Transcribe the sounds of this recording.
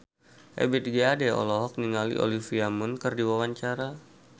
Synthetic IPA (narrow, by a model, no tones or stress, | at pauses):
ʔḛbit̪̚ɡeadɛɔ̰lɔɦɔk̚niŋalḭʔo̰lifiamunkərdiwawaɲt͡ʃaɾa